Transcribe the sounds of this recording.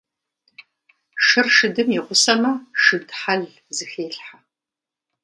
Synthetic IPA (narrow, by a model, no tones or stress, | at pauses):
ʂɨrʂɨdɨmjɛʁʷʊsɐmɐʂɨdħaɮ | zɨxeːɬħa